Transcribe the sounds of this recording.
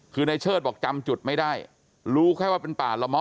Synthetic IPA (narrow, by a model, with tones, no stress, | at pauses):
kʰɯː˧na˧jt͡ɕʰɤː˥˩bɔː˨˩k̚t͡ɕa˧mt͡ɕu˨˩t̪̚ma˥˩jdaː˥˩j | ɾuː˦˥kʰɔ˥˩jwaː˥˩pe˧npaː˨˩la˧wmɔ˦˥